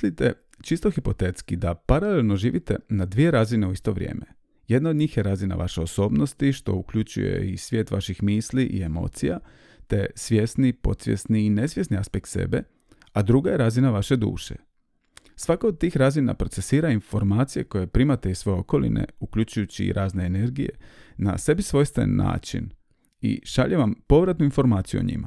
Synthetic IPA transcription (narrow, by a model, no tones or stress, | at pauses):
lit̪e̞̰ | t͡ʃist̪oxipo̞t̪et̪skid̪apaɾalelˠno̞ʒḭːʋit̪e̞nad̪ʋije̞ɾazineuist̪o̞ʋɾʲje̞̰ːme | jed̪naod̪ɲiːxjeɾazina̰ʋa̰ʃeoso̞ːbnost̪iʃt̪o̞̰ukʎut͡ɕṵjḛisʋje̞ːt̪ʋa̰ʃixmiːsliʔḭe̞mo̞̰ːt̪sija | t̪e̞sʋʲje̞snipo̞̰t̪sʋje̞̰sniːne̞sʋje̞sniaspek̚t̪sḛbe̞ | ad̪ɾuɡaje̞ɾazinaʋaʃe̞d̪ṵːʃḛ | sʋakaod̪̚t̪iːxɾazina̰pɾo̞t̪e̞siːɾainfo̞ɾmaːt̪sije̞ko̞je̞pɾiːmat̪e̞isʋo̞jeo̞ko̞lḭnḛukʎut͡ʃujut͡ɕḭːɾʔaːzne̞ːne̞ɾɡije̞̰na̰se̞bisʋo̞ːjst̪ḛnːa̰ːt͡ʃḭn | ḭʃaʎeʋampo̞ʋɾat̪nuinfo̞ɾmaːt̪sijuoɲḭma